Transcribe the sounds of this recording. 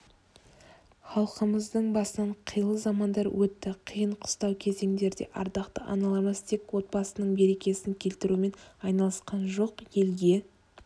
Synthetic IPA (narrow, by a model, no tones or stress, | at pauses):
χɑlˠqəməzd̪əɴbɑsənɑɴqʰəjəlˠəzɑmɑnd̪ɑɾwʔɵt̪ːɪqʰəjəɴqʰʊ̥st̪ɑwkʲʰe̞ze̞ŋd̪e̞ɾd̪e̞̰ʔɑɾd̪ɑqt̪əʔɑ̰nɑlˠɑməst̪ʰe̞kwo̞t̪̚bɑsənəɴbe̞ɾe̞kʲe̞sɪŋkʲʰe̞lt̪ɪɾume̞nɑjnɑlˠəsqɑnʒo̞qje̞lɡʲe̞